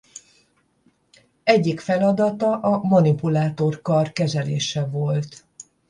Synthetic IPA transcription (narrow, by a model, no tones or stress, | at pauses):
ɛɟːikfɛlɒd̪ɒt̪ɒʔɒmonipulaːt̪o̞rkɒrkɛzɛlḛːʃɛvo̞lt̪